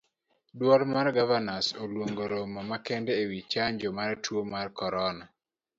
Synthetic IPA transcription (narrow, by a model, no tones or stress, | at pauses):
dwɔlmarɡavanasolwoŋɡoɾomɔmakɛndɛːwit͡ʃaɲd͡ʒomaɾtʰwomarkɔɾɔna